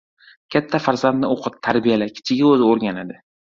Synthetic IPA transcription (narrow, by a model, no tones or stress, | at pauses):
kʲʰat̪ʰːafaɾzand̪nɪoqʰɨt̪̚t̪ʰaɾbijalakʲʰɪ̥t͡ʃʰɪɡʲaɵzɪoɾɡʲanad̪ɪ